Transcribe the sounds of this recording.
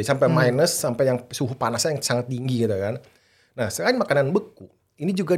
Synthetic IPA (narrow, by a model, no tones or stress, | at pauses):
sampɛmajnəsːampɛjaŋsuɦupanasɲjaŋsaŋat̪ːiŋɡiɡit̪ukan | nahsəkainmakananbəku | inid͡ʒuɡa